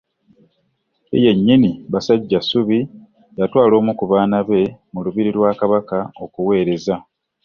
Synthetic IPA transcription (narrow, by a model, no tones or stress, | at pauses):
ḛje̞ɲːiniβasaɟːasuβi | jatwaːlo̞ːmukuβaːnaβe̞muluβiɾilwaːkaβakao̞kuwe̞ːɾe̞za